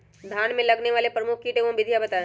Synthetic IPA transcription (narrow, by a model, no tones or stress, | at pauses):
d̪ʱaːnmẽlɐɡneʋaːlepɾɐmʊkʰkiʈeʋõbɪd̪ʱjabɐt̪ãː